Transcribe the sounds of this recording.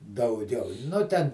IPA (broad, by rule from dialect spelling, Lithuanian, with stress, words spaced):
dɐʊˈɡʲɛʊ ˈnʊ tʲɛn